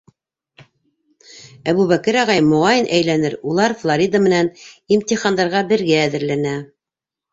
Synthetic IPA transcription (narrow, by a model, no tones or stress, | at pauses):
æβuβækɘɾɑʁɑjmŏʁɑjɘnʔæjlænɘɾulˠɑɾflˠoɾʲid̪əmɘ̆nænimt̪iχɑnd̪ɑɾʁɑbɘ̆ɾɡæːðɘ̆ɾlænæ